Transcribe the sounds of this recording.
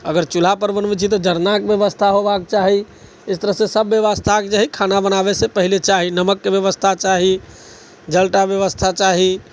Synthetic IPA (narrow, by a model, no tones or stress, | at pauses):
əɡəɾt͡ʃul̤apəɾbənbɛt͡ʃʰit̪ɔd͡ʒəɾnakbjəʋəst̪ʰaɦobakt͡ʃaɦi | ɪst̪əɾəɦsẽsəbːjəʋəst̪ʰakd͡ʒaɦikʰanabənabesepəɦilet͡ʃaɦinəməkːebjəʋəst̪ʰat͡ʃaɦi | d͡ʒəlʈabjəʋəst̪ʰat͡ʃaɦi